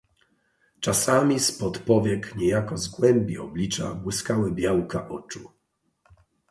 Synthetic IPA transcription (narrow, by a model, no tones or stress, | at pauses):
t͡ʂasamʲispɔt̪pɔvʲjɛkɲɛjakɔzɡwɛmbʲiɔ̰blʲit͡ʂa̰bwɘskawɘbʲjawkaʔɔt͡ʂu